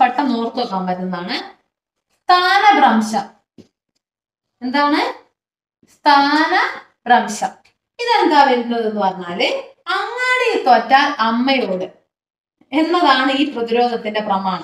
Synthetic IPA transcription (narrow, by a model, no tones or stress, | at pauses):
pɐʈːɐmnoːrt̪ɨokːɐːmbɐɾnenːaːɳɨ | st̪ʰaːnɐbraːmʂɐ | e̞nd̪aːɳɨ | st̪ʰaːnɐ | b̥rɐːmʂɐ | iðend̪aːʋeɾunːɐðenːɨpɐrɐɲːaːlɐŋːaːɽeit̪ɐtːɐʔɐmːɐjo̞ːɽɨ | e̞nːɐðaːɳɨiːprɐðiɾo̞ːd̪ʱɐt̪ːinde̞prɐmaːɳɐ